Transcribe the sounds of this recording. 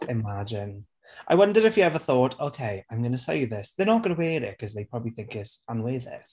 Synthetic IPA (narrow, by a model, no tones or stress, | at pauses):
ɪmad͡ʒɪ̃n | ʔaɪwʌ̃ndəɾɪfjəɛvəθɔˑtʰoʊkʰeɪãɪ̃mɡʌnəseljəðɪsðənət̚ɡ̥ʌnəwɛːɾɪt̚kʰʌzðeɪpʰɹ̥ɔbəbliθɪ̃ŋkɪtsə̃nweɪðɪ̰s